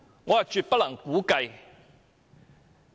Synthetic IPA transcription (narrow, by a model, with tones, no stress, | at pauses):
ŋɔː˨˧ja˨˩t͡ʃyː˨t̚pɐ˥lɐ˨˩ŋkuː˨˥kɐ˧j